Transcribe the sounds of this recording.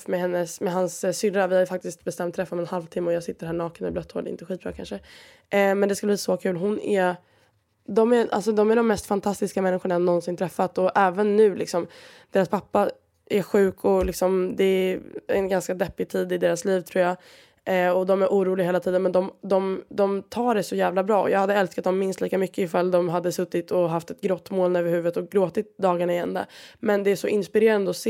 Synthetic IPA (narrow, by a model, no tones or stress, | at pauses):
mɛhɛnːəsmɛɦansːʏlɾavɪhaɾjfak̚t̪ɪst̪̚bɛst̪ɛmt̪ʰːɾɛfːamɛnhalvt̪ʰɪmːəɔjɑːɡsɪt̪ːəɾhæːɳɑːkənɛ̰blœt̪ho̰ːlɪ̰nt̪əɧiːt̪̚bɾɑ̰ːkʰanʂə | mɛnd̪ɛskɵləb̪liːsɔkʰʉ̟ːlɦʊnæ | d̪ɔmæɾʔa̰lsɔd̪ɔmæɖɔmːɛst̪fant̪ʰast̪ɪskamɛnːɪɧʊɳanːɔnsɪnt̪ʰɾɛfːat̪ɔʔɛːvənːʉ̟ːlɪ̰ksɔmd̪̥eːɾaspʰapːa | æɧʉ̟ːkʰɔlɪksɔmd̪ɛæɛnɡanskad̪ɛpːɪt̪ʰiːd̪ɪd̪eːɾasliːvt̪ʰɾuːɾja | ɔd̪ɔmæɾʔuːɾuːlɪɡeːlat̪ʰiːd̪ənmɛnd̪ɔmd̪ɔmd̪ɔmt̪ʰɑːɖɛsɔjæːvlabɾɑːɔ̰jɑːɡhad̪ːəɛlskat̪̚d̪ɔmːɪnst̪liːkamʏkːəɪfald̪ɔmɦad̪ːəsɵt̪ːɪt̪ɔɦaft̪ɛt̪̚ɡɾɔt̪ːmoːlnøːvəɾhʉ̟ːvət̪ɔɡɾoːt̪ɪt̪̚d̪ɑːɡaɳaɪɛ̰nd̪a̰mɛnd̪ɛæʂɔʔɪnspɪɾeːɾand̪əɔseː